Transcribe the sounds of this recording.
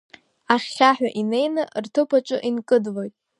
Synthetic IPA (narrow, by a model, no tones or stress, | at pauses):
aχːʲaħᶣaʔine̞jnɨrtʰɨpʰaʈ͡ʂʼʊʔinkʼɨdlo̞jtʼ